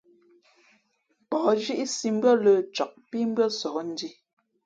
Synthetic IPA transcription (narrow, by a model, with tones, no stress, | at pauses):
pɔ˨˦ʒi˦ʔi˦si˨˦m̩˦bɰə˦lə˦˨t͡ʃɔ˨k̚pi˦m̩˦bɰə˦sɔː˨˦n̩˦di˦